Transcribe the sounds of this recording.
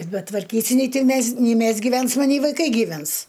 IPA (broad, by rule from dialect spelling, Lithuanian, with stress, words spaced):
bʲɛtʋɐrʲˈkʲiːsʲɪ nʲɛɪ ˈtʲiː ˈmʲɛs nʲɛɪ ˈmʲɛs ɡʲɪˈʋʲɛnsmɐ nʲɛɪ ʋɐɪˈkɐɪ ɡʲɪˈʋʲɛns